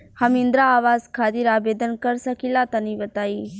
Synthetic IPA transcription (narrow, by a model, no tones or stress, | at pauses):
hɐmɪ̃nd̪ɾaːʋaːzkʰaːt̪iɾaːbeːd̪ənkəɾsəkilat̪anĩːbət̪aːiː